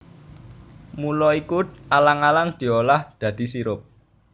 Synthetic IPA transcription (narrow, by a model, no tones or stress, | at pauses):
mulɔikualaŋalaŋd̪̥i̤olahd̪̥ä̤d̪̥i̤siɾʊp̚